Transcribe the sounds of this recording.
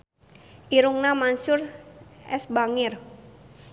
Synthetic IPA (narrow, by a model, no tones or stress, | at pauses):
ʔiɾuŋnamansʊrʔɛsbaŋɪr